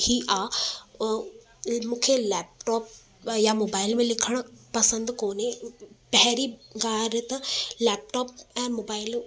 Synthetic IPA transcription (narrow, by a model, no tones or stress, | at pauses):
hiʔaː | mũːkʰelɛːp̚ʈɔːp̚ | jamoːbaːɪlmẽlɪkʰəɽ̃pɐsə̃nd̪koːnepɛɦɾiɡaːɾet̪ɐlɛːp̚ʈɔːpɛ̃ːmoːbaːɪl